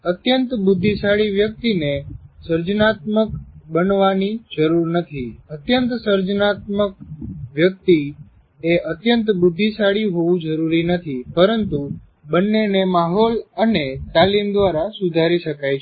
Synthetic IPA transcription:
ət̪jənt̪bʊd̪ʱːisaɭiʋjək̚t̪inesəɾd͡ʒnat̪məkbənʋanid͡ʒəɾuɾnət̪ʰiət̪jənt̪səɾd͡ʒnat̪̚mək̚ʋjək̚t̪i | eʔət̪jənt̪bʊd̪ʱːisaɽiɦoʋũd͡ʒəɾuɾinət̪ʰipəɾənt̪u | bənːenemaɦolənet̪alimd̪ʋaɾasud̪ʱaɾiʃəkajʰ

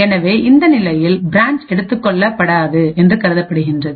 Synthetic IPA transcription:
ɛnɐʋeːʔɪnd̪ɐnɪlɐjɪlbɪɾaːɲt͡ʃɛɽɯt̪ːɯkːɔɭːɐpːɐɽaːðɯɛndrɯkɐɾɯðɐpːɐɽɯɣɪndrɐðɯ

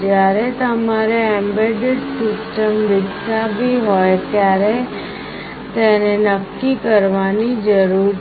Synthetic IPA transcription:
d͡ʒjaɾet̪əmaɾeɛmbeɖeɖsɪsʈəmd̪ɪksabiɦojt̪jaɾe | t̪enenəkːikəɾʋanid͡ʒəɾu

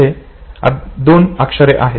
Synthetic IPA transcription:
e | a̰d̪onakʂəɾeʔaɦe

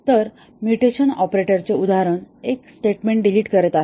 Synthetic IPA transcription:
t̪əɾ | mjuʈeɕənɔpɾeʈəɾt͡ɕeud̪aɾəneksʈeʈmẽɳʈɖiliːʈkəɾɛt̪aɦe

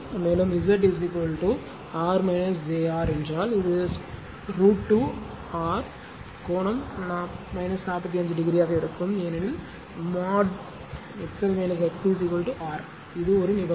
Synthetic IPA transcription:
meːlɯmɪzɐʈɪsɪkɐlʈu | aːɾmɐɪnɐsd͡ʒeːaːɾɛnd͡ʒɾaːlɪðɯs | ɾuːʈːu | aːɾ | koːɳɐmnaːmɐɪnɐsnaːpɐt̪ːiɐnd͡ʒɐɖɪɡɾijaːɣɐɪɽɯkːɯmenɪn | maːɖ | ɛpsɐlmɐɪnɐs̬ɛksisɪkɐlʈuʔaːɾ | ɪðɯɔɾɯnɪbɐ

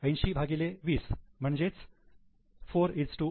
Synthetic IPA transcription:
əjnʃibʱaɡileʋiːsm̤əɳd͡ʑet͡s | foːɾiʈsʈu

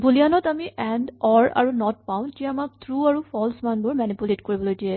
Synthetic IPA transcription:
bulijanɔtamiʔɛndɔɹa̰ɹunɔt̚paʊ̃tijamak̚t̪ʰɹuaɹupʰɔlsmanbʊɹmanipuletkoɹibɔlojdiɛ

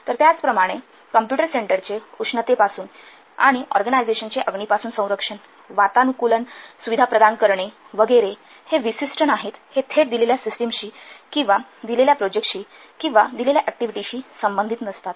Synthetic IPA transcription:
t̪əɾt̪jat͡spɾəmaɽ̃e | kəmpjuʈəɾseɳʈəɾt͡seukʂnət̪epasuːn | a̰ɽ̃iʔɔ̰ɾɡənajd͡zeɕənt͡seʔəɡɳiːpasuːnsə̃w̃ɾəkʂən | ʋat̪anukulənsuʋid̪ʱapɾəd̪ankəɾɳe | ʋəɡəɾe | heʋisisʈʰənaɦet̪het̪ʰeɽd̪ileljasisʈəmɕiːkĩw̃ʋad̪ileljapɾod͡ʑek̚ʈɕiː | kĩw̃ʋad̪ileljaʔæk̚ʈiʋiʈiɕiːsəmbənd̪ʱit̪nəst̪at̪

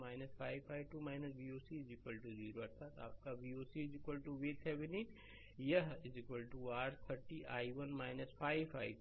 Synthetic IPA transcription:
maːɪnɐspʰaːɪʋpʰaːjʋʈumaːɪnɐsbioːsizɪkwəlʈuziːɾoɐɾsaːt̪a̰ːp̚kabiːoːsizɪkwəlʈuʋeːt̪ʰɦɛʋɪniʈ | jɐɦɪzɪkwəlʈuaːʈt̪ʰəɾʈiʔaːiʋɐnmaːɪnɐspʰaːɪpʰaːj

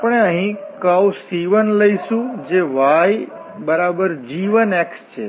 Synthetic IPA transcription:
apɽ̃eəɦĩkawsiʋənləiʃũd͡ʒeʋaj | bəɾabəɾd͡ʒiʋənekst͡ʃʰe

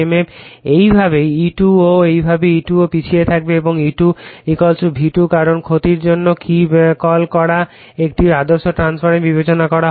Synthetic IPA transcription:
ememejbʱabeiʈuoejbʱabeiʈuopit͡ɕʰiet̪ʰak̚beeboŋiʈuikɔlt͡ɕubʱiʈukaɾonkʰot̪iɾd͡ʑonːokikɔlkɔɾa | ek̚ʈiad̪oɾʃoʈɾanspʰaɾenbibet͡ɕonakɔɾa

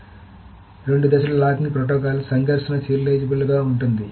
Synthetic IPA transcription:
ɾe̞ɳɖud̪ɐsɐlɐɭaːkiŋpɾoʈ̬ɔːkaːlsɐŋɡʱɐɾʂɐnɐsiːɾleːd͡ʒbuɭːuɡaːuɳʈund̪i

